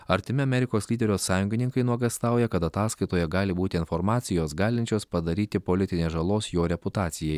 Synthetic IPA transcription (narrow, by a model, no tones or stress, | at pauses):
ɐɾʲt̪ʲɪmʲɪɐmʲɛɾʲɪkoːslʲiːd̪ʲɛɾʲoːsɑːjʊŋʲɡʲɪnʲɪŋkɐɪnuɔɡɐst̪ɑˑʊjɛkɐt̪ɐt̪ɑːskɐɪt̪oːjɛɡɑːlʲɪbuːt̪ʲɪɪnfɔɾmɑːt̪sʲɪjoːsɡɑːlʲɪnʲt͡ʃʲoːspɐd̪ɐɾʲiːt̪ʲɪpolʲɪt̪ʲɪnʲeːʒɐlˠoːsjoːɾʲɛpʊt̪ɑːt̪sʲɪjɛɪ